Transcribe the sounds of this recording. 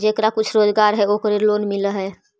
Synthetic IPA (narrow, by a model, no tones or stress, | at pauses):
d͡ʒekɾakʊt͡ʃʰɾoːd͡ʒɡaɾɦɛokəɾelonmiləɦɛ